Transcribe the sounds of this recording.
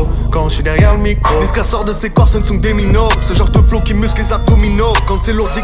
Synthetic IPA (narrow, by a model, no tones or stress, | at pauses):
kɑ̃sid̪ɛʁjɛʁləmikoiskasɔʁd̪əsekɔʁsɛ̃nsɔ̃d̪eminɔʁsəʒɑ̃ʁd̪əflokʲimysklesakɔminɔʁkɑ̃sɛluʁd̪i